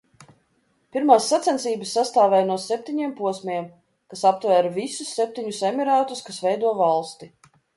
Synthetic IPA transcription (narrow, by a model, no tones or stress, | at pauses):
piɾmaːsːat̪sʲɛnsiːbəsːast̪aːvɛjnuɔsɛp̚t̪ʲiɲeɛmpuɔsmʲɛm | kasap̚t̪væːɾavisusːep̚t̪ʲiɲusɛmʲiɾaːt̪uskasvɛjd̪uɔvalˠst̪i